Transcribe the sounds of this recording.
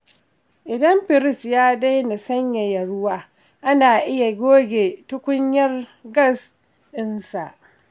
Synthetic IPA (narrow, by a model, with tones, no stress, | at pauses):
ʔɪ˨dɐ˦mɸɪ˨ɾɪ˦sjaː˦da˦jna˨sɐ˦ɲja˨jɐ˨ɽʊ˦waː˦ | ʔa˦naː˨ʔɪ˦ja˨ɡʲoː˦ɡʲeː˨tʊ˦kʷʊ˦ɲjɐ˦rɡɐ˦˨s | ɗɪ˦nsa̰˨ʔ